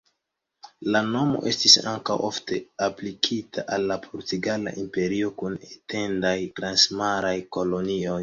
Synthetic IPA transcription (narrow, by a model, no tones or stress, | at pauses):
lano̞mo̰ʔe̞stisa̰ŋkawʔo̞fte̞aplikʰitʰaʔalːapʰoɾtiɡala̰ʔimpe̞ɾio̞kunete̞ndajtɾansmaɾajko̞lo̞nio̞j